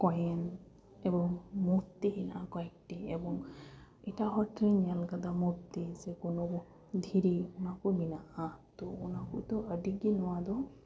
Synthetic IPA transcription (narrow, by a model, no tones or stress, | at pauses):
kɔjen | ebɔŋmuɾt̪iɦinʔa̰kɔɛk̚ʈiebɔŋ | ɛtaɦɔʈɾeɲijalɡad̪amuɾt̪izekonobɔ | d̪ʱiɾiunakubinaʔat̪ɔːnakut̪ɔəɖiɡinɔwad̪ɔ